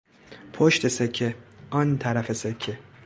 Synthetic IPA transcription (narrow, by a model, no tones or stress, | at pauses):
pʰoʃt̪ʰesekʰːeʔɒnt̪ʰæɾæfesekʰːe